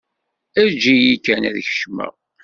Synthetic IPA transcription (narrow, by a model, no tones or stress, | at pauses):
æd͡ʒijikːænæ̰ðçə̥ʃmə̰